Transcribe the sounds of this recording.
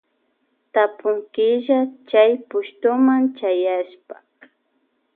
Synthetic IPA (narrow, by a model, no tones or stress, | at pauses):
t̪apʊŋkɪʒat͡ʃajpʊʃt̪ʊmant͡ʃajaʃpa